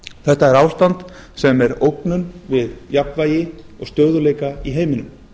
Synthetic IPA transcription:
θɛht̪aɛɾaːwst̪ant̪ | sɛmɛɾowknʏnvɪðjapnvaːjɪ | ɔ̰ɣst̪œːɣðʏleːjkaiɦeːjmɪnʏm

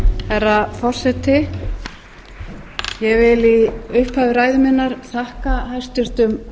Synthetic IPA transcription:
hɛrːafɔr̥sɛt̪ɪ | jɛɣvɪliʏhphaːvɪɾaːjðʏmɪnːaɾ̥θahkaɦajst̪ʏst̪ʏm

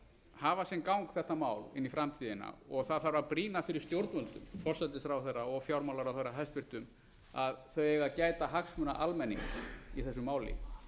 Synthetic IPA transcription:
haːvasjɛmkawŋkθɛht̪amaːwlɪ̰nːifɾamt̪ʰiːðɪna̰ɔɣθaðθaɾvaɾpɾiːnafɪɾɪɾ̥st̪jowɾt̪nmœnt̪ʏmfɔr̥sat̪ɪsɾawθejrːaɔɣfjawɾmawlaɾawθejrːaɦajst̪pɪr̥t̪ʏm | aðθœɥɛɣacaːjt̪aɦaksmœnaʔalmɛnːḭŋkiθɛsːʏmaːwlɪ̰

